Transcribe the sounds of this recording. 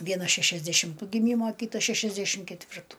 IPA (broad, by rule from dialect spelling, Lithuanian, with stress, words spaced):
ˈʋʲiɛnɐs ʃʲɛʃʲɛzʲdʲɛʃʲɪmˈtuː ɡʲɪˈmʲiːmoː ˈkʲiːtɐs ˈʃʲæːʃʲɛzʲdʲɛʃʲɪm kʲɛtʲˈʋʲɪrtʊ